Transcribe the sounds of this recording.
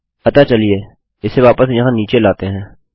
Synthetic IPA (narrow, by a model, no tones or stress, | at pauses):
pət̪aːt͡ʃəlieː | ɪseʋaːpəsjɐɦãniːt͡ʃelaːt̪eɦɛ̃ː